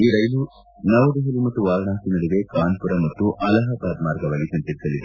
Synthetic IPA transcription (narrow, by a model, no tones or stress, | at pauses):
iːɾɐjlu | nɐʋɐd̪uɦɐlimɐt̪ːuʋaːlɐɳaːsinɐɽiʋekaːnpuɾɐmɐt̪ːuʔɐlɐɦɐpɐːt̪maːɾɡɐʋaːɡisɐnt̪iɾisɐlid̪e